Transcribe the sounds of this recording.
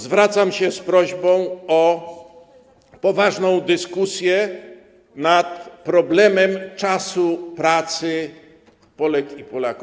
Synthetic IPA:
zvɾat̪samɕɛspɾɔʑbɔ̃w̃ɔ | pɔvaʐnɔ̃w̃d̪ɘskusʲjɛ | nat̪pɾɔblɛmɛmt͡ʂasupɾat̪sɘ | pɔlɛkipɔlaku

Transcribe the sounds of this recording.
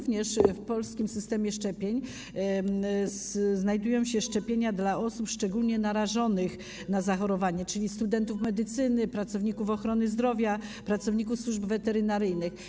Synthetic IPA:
vɲɛʂfpɔlskʲimsɘst̪ɛmʲjɛʂt͡ʂɛpʲjeɲ | sznajd̪ujɔ̃w̃ɕɛʂt͡ʂɛpʲjeɲad̪laʔɔsupʂt͡ʂɛɡulɲɛnaɾaʐɔnɘx | nazaxɔɾɔvaɲɛt͡ʂɘlʲist̪ud̪ɛnt̪ufmɛd̪ɘt̪sɘnɘpɾat̪sɔvɲikufɔxɾɔnɘzd̪ɾɔvʲjapɾat̪sɔvɲikufswuʐbvɛt̪ɛɾɘnaɾɘjnɘx

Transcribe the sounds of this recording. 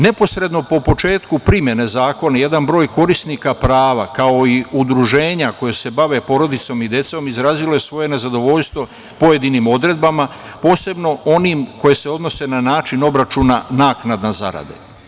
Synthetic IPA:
ne̞po̞sɾe̞d̪no̞po̞po̞t͡ʃe̞ːt̪kupɾimje̞nezaːko̞naje̞d̪anbɾo̞ːjko̞ɾisnikapɾaːʋakao̞iud̪ɾuʒe̞ːɲako̞jese̞baʋe̞po̞ːɾo̞d̪it̪so̞mid̪je̞t̪so̞mizɾaːzilo̞je̞sʋo̞je̞ne̞zad̪o̞ʋo̞ʎst̪ʋo̞ | po̞je̞d̪inimo̞d̪ɾe̞d̪̚bama | po̞ːse̞bno̞o̞niːmko̞je̞seo̞d̪no̞se̞nanaːt͡ʃino̞bɾat͡ʃuːnanaːknad̪naza̰ɾa̰d̪ḛ

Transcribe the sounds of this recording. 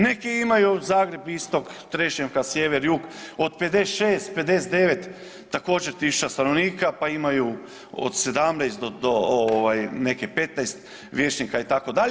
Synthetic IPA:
nekiimajuzaːɡɾe̞bist̪o̞kt̪ɾet͡ʃemkasjeʋeɾjuːɡod̪ped̪esʃeːst̪pe̞d̪es̬et̪eʋet̪ː | ako̞ːd͡ʒeɾt̪isu̥t͡ʃast̪anoʋniːkapaimaju | o̰d̪sed̪amnajst̪d̪od̪oooʋajnekepe̞t̪najst̪ | ʋjeːt͡ʃnikait̪akod̪aʎ

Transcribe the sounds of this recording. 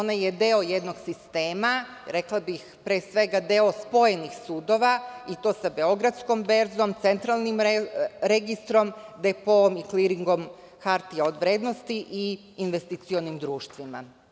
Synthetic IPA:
onajed̪eo̞jed̪no̞ɡsist̪e̞ːma | ɾe̞klˠabixpɾeːsʋe̞ɡad̪e̞o̞spo̞jenixsuːd̪o̞ʋait̪o̞ːsabe̞o̞ɡɾad̪sko̞mbe̞ɾzo̞mt̪se̞nt̪ɾalˠnimɾeɡist̪ɾo̞md̪epoomikliɾiŋɡo̞m | xaɾt̪iaod̪ʋɾe̞ːd̪no̞st̪iʔiː | nʋe̞st̪it̪sio̞nimd̪ɾuːʃt̪ʋima̰

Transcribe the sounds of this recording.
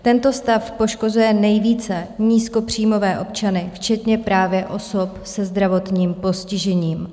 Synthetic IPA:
t̪ɛnt̪o̞st̪afpo̞ʃko̞zujɛnɛjviːt͡sɛɲiːsko̞pr̝̥iːmo̞vɛːʔo̞p̚t͡ʃanɪft͡ʃɛt̪ɲɛpɾaːvjɛʔo̞so̞psɛzd̪ɾavo̞t̪ɲiːmpo̞scɪʒɛɲiːm

